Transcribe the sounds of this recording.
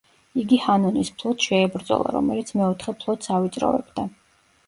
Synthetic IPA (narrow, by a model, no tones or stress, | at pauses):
iɡihanɔnispʰlˠɔt̪ʃɛːbɾd̪zɔ̰lˠa̰ɾɔ̰mɛlit̪sʰmɛɔt̪ʰχɛpʰlˠɔt̪savit̪sʼɾɔ̰vɛ̰bd̪a